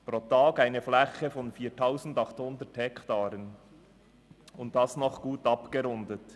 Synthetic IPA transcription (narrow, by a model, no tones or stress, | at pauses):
pɾotaːɡaɪnəflɛçəfɔnfiːtʰaʊsn̩dɑχthʊndəthɛktaːɾən | ʊntd̥ɑsnɔχɡ̥uːtɑpɡ̥əɾʊndət